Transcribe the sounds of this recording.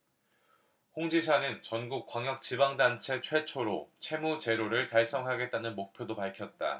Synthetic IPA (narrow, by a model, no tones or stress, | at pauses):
hoŋd͡ʑisʰanɯnt͡ɕʌnɡuk̚k͈waŋjʌk̚t͡ɕibaŋdant͡ɕʰe̞t͡ɕʰwe̞t͡ɕʰoɾot͡ɕʰe̞mut͡ɕe̞ɾoɾɯɭtaɭs͈ʌŋɦaɡe̞t̚t͈anɯnmok̚pʰjodopaɭkʰjʌt̚t͈a̰